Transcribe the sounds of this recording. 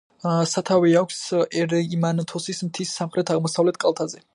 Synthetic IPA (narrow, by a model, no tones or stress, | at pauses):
sat̪ʰaviakʷʰsɛɾimant̪ʰɔsismt̪ʰisːamχɾɛt̪ʰaʁmɔsavlɛt̪̚ʰkʼalˠt̪ʰazɛ